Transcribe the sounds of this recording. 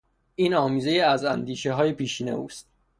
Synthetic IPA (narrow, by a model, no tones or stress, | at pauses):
iːnɒːmiːze̞jiæzænd̪iːʃeɦɒːjepʰiːʃiːne̞̰uːst̪̚